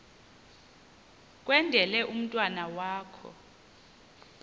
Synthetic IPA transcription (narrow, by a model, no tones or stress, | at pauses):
k̬ʼwɛndʱɛlɛʔum̩tʼwanawaːkʰɔ̰